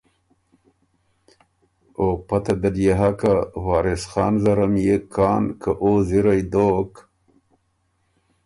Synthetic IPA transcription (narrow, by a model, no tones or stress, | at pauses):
opat̪ad̪ad̪jeɦakawɑːɾɪsxɑːnzaɾamjekʰɑːnkʰaʔoziɾajd̪oːk